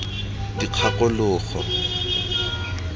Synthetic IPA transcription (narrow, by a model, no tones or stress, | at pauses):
diq͡χʰakʼʊlʊːχɔ̰